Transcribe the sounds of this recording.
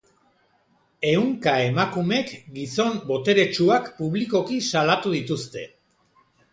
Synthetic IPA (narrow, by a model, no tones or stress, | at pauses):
e̞uŋkae̞makume̞kɡiso̞mbo̞t̪e̞ɾe̞t͡ʃuakpuβ̞liko̞kisalat̪uðit̪ust̪e̞̰